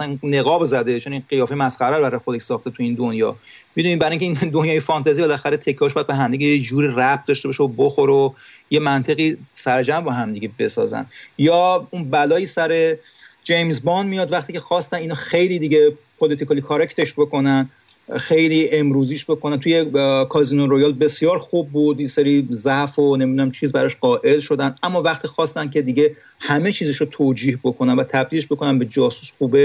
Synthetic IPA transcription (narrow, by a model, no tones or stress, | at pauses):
æsænne̞ɣɒːbzæd̪et͡ʃʰo̞ninɢijɒːfejmæsxæɾæɾbæɾɒjexo̞d̪eʃsɒːxt̪et̪ʰujiːnd̪onjɒ̰ː | mid̪uniːbæɾjiŋcʰeiːnd̪onjɒːjefɒnt̪ʰæziːbelæxæɾet̪ʰe̞cʰːiːɒʃbɒjæd̪̚beɦæmd̪iɡʲejed͡ʒuːɾiːræf̚d̪ɒʃt̪e̞bɒʃeoboxo̞ɾo | jemænt̪ʰe̞ɣisæɾed͡ʒæmbɒɦæmd̪iɡʲebe̞sɒ̰ːzæ̰njɒːunbælɒːjisæɾe | d͡ʒejmzbɒnmijɒːd̪væχt̪iːcʰe̞xɒːst̪æniːnɒxejliːd̪iɟepʰolit̪ikɒlikʰoɾecʰt̪ʰeʃbo̞ko̞næn | xe̞jliːʔe̞mɾuːziʃbe̞kʰonænt̪ʰujekʰɒːziːnoɾo̞jɒːlbe̞sjɒːɾxub̚ːuːd̪jeseɾizæʔfonemid̪unæmt͡ʃʰiːzbæɾɒʃɢɒːʔe̞lʃo̞d̪ænd̪ʔæmːɒːvæχt̪ʰiːxɒːst̪æncʰe̞d̪iɟe̞ | hæmet͡ʃʰiːzeʃot̪ʰoːd͡ʒiːhbo̞kʰo̞nænvæt̪ʰæb̚d̪ileʃbo̞konæmbe̞d͡ʒɒːsu̥sxuːbe